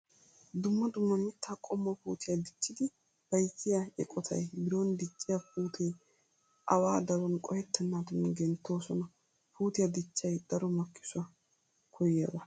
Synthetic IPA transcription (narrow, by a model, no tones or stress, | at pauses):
d̪ʊmːɐd̪ʊmːɐmɪt̪ːaːkʼɔmːɐpuːt̪ɪjɐd̪ɪt͡ʃːɪd̪ɪ | b̥ɐjtːɪjaɛkʼɔt̪ʰɐ̰jbɪɾond̪ɪt͡ʃʼːɪjapuːt̪ʰɛj | ʔɐwaːd̪ɐɾɔnkʼɔhɛt̪ːɛnːaːt̪ʊnɡɛnt̪ːo̞ːsɔnɐ | puːt̪ɪjɐd̪ɪt͡ʃːɐjd̪̥ɐɾɔmɐkʼːɪ̥sʊɐ | kʰɔjjad̪ɐ